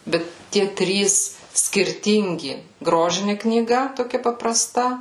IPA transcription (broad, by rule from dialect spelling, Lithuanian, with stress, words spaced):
ˈbʲɛt ˈtʲiɛ ˈtʲrʲiːs sʲkʲɪrʲˈtʲɪŋʲɡʲɪ ˈɡroːʒʲɪnʲɪ knʲiːˈɡɐ toːˈkʲɛ pɐprɐˈstɐ